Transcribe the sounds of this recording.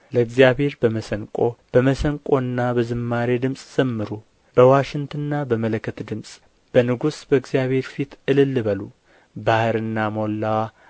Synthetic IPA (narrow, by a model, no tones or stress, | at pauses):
ləɨɡzjaβhe̞ɾbəməsəŋkʼo̞b̥əməsəŋkʼo̞ɨnːabəzɨmːaɾed̪ɨmsʼz̥əmːɨɾu | b̥əwaʃɪŋt̪ʰɨnːabəmələkʰːət̪d̪ɨmsʼ | b̥ənɨɡusbəɨɡzijaβhe̞ɾfit̪ʔɨlɨlːɨβəlu | bahɨɾɨnːamo̞lːawa